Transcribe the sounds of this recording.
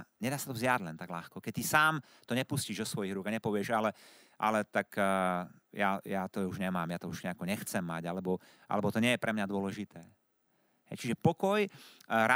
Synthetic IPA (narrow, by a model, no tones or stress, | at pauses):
ɲɛd̪aːsat̪ɔvzjaɟlɛnt̪aɡlaxkɔkɛc̚t̪isaːm | t̪ɔɲɛpusciːʒd̪ɔsʋɔjiɣɾuːɡaɲɛpɔʋɪɛʒalɛ | ʔa̰lɛt̪ak | jajat̪ɔuʒɲɛmaːmjat̪ɔuʒɲɛakɔɲɛxt͡sɛmːaɟalɛbɔ | ʔa̰lɛbɔt̪ɔɲɪɛjɛpɾʔɛmɲad̪ʊɔlɛʒit̪ʰɛː | ɦɛ̰jt͡ʃiʒɛpɔkɔjɾa